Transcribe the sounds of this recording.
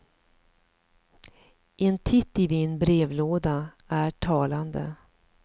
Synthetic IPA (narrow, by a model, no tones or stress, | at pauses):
ʔɛnt̪ʰɪt̪ːɪvinbɾeːvloːd̪a | æʈʰɑːland̪ə̰